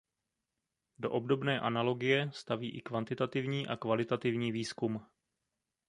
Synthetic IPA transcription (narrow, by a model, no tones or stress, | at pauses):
do̞ʔo̞b̚do̞bnɛːʔanalo̞ɡɪjɛst̪aviːʔɪkvant̪ɪt̪at̪ɪvɲiːʔakvalɪt̪at̪ɪvɲiːviːskum